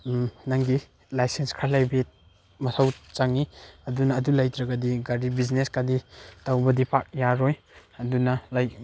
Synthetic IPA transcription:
naŋɡi | lajsenskʰɾalajbet̚ | mɐsʰawt͡ʃaŋiɐdunɐːdulajtɾɐɡɐdiɡaɾibizneskaditawbɐdipʰak̚jaɾoj | ɐdunɐlaj

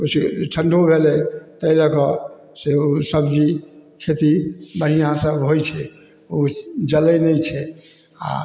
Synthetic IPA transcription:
osʈʰəɳɖʱobʱelɛt̪əiləkɔ | seosəbd͡ʒikʰet̪ibənijãsəbɦojt͡ʃʰɛ | od͡ʒələnɛjt͡ʃʰɛ | a̰

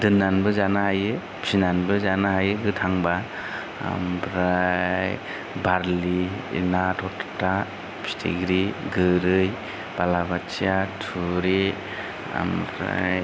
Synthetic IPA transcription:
dɯnːanbɯzanahajɯ | psinanbɯzanaɦajɯɡɯtʰaŋba | a̰mbɾaj | baɾliḭnatʰɔtta | pʰi̥stʰḭɡɾiɡɯɾɯj | b̥alabat͡ʃijatʰuɾe | a̰mbɾa̰j

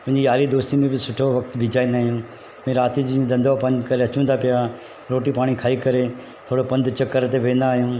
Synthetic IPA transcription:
pɐ̃ɦɪ̃ɲd͡ʑiaːlid̪oːst̪imẽbɪsʊʈʰoʋɐkt̪bʱid͡ʑaːĩnd̪aːɦijũ | mɛ̃ːɾaːt̪id͡ʑĩd̪ɐ̃nd̪apɐ̃nd̪kɐɾeɐt͡ɕũnd̪apɪja | ɾoːʈipaːɽ̃ikʰaːikɐɾe | t̪ʰoːɽopɐ̃nd̪t͡ɕɐkəɾt̪eʋẽːnd̪aːɦijũː

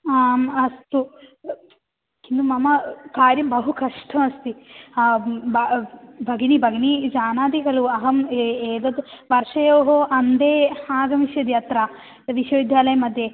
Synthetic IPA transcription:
aːmɐst̪u | kind̪umɐmɐkaːɾjɐmbɐɦukɐʂʈʰɐmɐst̪i | bɐbʱɐɡɐnibʱɐɡɐnid͡ʒaːnaːd̪ikɐluɐɦɐmeːd̪ɐd̪ʋɐɾʂɐjoːɦoʔɐnd̪eːhaːɡɐmiʃjɐd̪jɐt̪ɾa | ʋiʃjɐʋid̪ʱjaːlɐjɐmɐd̪je

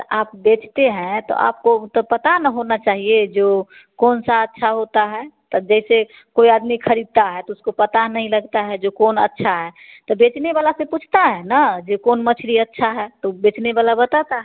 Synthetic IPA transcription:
aːp̚bet͡ʃt̪eɦɛ̃t̪ɔ̰a̰ːp̚kot̪ɔpət̪anəɦonat͡ʃaːɦied͡ʒo | koːnsaətːʃʰaɦot̪aɦɛt̪ɔd͡ʒɛɪse | koiad̪mikʰəɾid̪̚t̪aɦɛt̪ɔʊskopət̪anəĩləɡt̪aɦɛd͡ʒokoːnə̰tːʃʰaɦɛt̪ɔbet͡ʃnebalaseput͡ʃʰt̪aɦɛ̃nad͡ʒokoːnmət͡ʃʰɾiətːʃʰaɦɛt̪obet͡ʃnebalabət̪at̪aɦɛ

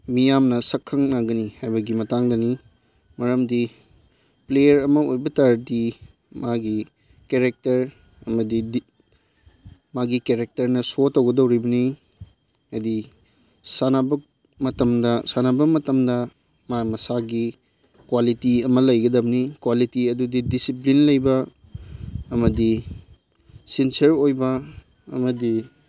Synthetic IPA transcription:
mijamnɐsɐkʰːɐŋnaɡɐnihajbɐɡimɐtaŋdɐni | mɐɾɐmdi | plejɐɾɐmɐojbɐtaɾdi | maɡi | keɾek̚tɐɾ | ɐmɐdid | maɡikeɾek̚tɐɾnɐsotːɐwɡɐdɐwɾibɐni | ɐdi | sanabɐ | mɐtɐmdɐsanabɐmɐtɐmdɐ | mamɐsaɡi | kwalitiɐmɐlɐjɡɐdɐbɐnikwalitiɐdudidisiplinlɐjbɐ | mɐdi | sinsɐɾojbɐ | ɐmɐdi

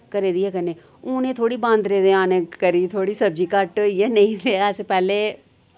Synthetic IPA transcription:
kəɾeːd̪iɛkəneː | ʊ̃nẽːt̪ʰoːɽibãːnd̪ɾeːd̪ẽãːnẽkəɾit̪ʰoːɽisɐbd͡ʒikɐʈːiɛnɐĩɾeɛːsepɛːle

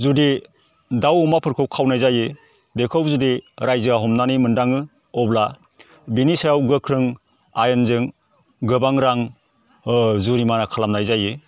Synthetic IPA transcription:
zudi | dawɔmapʰɯɾkʰɯwkʰawnajzajɯ | dekʰɯwzudiɾajzɯaɦɔmnanijmɯndaŋɯ | ɔbla | binisajawɡɯkʰɾɯŋ | ajɯnzɯŋ | ɡɯbaŋɾaŋ | zuɾimanakʰalamnajzajɯ

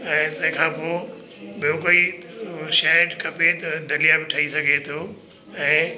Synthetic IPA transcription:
ɛ̃ːt̪ɐ̃ɦɪ̃kʰãːpoːbɪjõk̬oi | ʃɛʈkʰɐpet̪ɐd̪ɐlijabɪʈʰɐisɐɡʱet̪ʰo | ɛ̃ː

